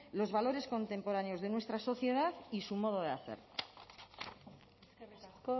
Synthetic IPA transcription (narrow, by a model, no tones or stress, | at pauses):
lo̞zβalo̞ɾe̞sko̞nt̪e̞mpo̞ɾaneo̞zðe̞nwe̞st̪ɾaso̞θje̞ðaðisumo̞ð̞oð̞eaθe̞̰ɾ